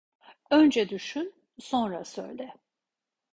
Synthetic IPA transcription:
ø̞nd͡ʒɛd̪yʃyn | so̞nɾasø̰jd̪ɛ

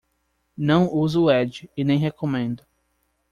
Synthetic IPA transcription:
nɐ̃w̃uzʊːɛd͡ʒɪɪnẽj̃ɦekomẽnd̪ʊ

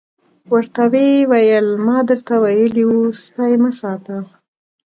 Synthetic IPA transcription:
wəɾt̪awewajəlmɑd̪əɾt̪awajəliwuspajməsɑt̪ə

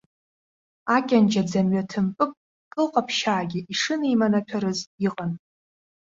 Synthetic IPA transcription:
akʲʼand͡ʒad͡zamɥatʰɨmpʼɨpʼ | kʼɨlqʼapʰʃaːɡʲɪʔiʂɨneimanatʷʰaɾɨziqʼan

